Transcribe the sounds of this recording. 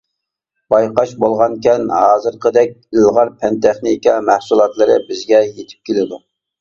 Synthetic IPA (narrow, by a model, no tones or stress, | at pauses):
b̥ɑjqɑʃbolˠʁɑnkʲʰɛnhɑːzɨɾqʰəd̪ɛk̚ʲəlˠʁɑɾpʰɛnt̪ʰɛχnikʲɑmæhsulˠɑt̪lˠɨɾɨbɪzɡʲɛjet̪ʰɪ̥p̚kʲelɪd̪u